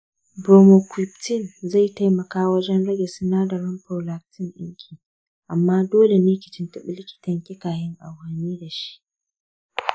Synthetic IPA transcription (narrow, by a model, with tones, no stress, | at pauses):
boː˨mo˨kʷwɪ˨ptɪ˦˨nza˦˨jta˦jmɐ˨kaː˦wɐ˦d͡ʒɛ˦nɽɐ˦ɡʲe˨sɪ˦naː˦da˨ɾɐ˦mpo˨la˨ktʰɪ˦ŋʔɪ̰˦ŋkʲʰiː˨ | ʔa˨mːaː˦doː˦le˨neː˦kʲɪ˨t͡ʃɪ˦ntɐ˦ɓɪ˦lɪ˦kʲɪ̥˨tɐ˨ŋkʲɪ˦kaː˨jɪ˦ŋʔa̰˨whɐ˨niː˦da˨ʃi̥˦ʔ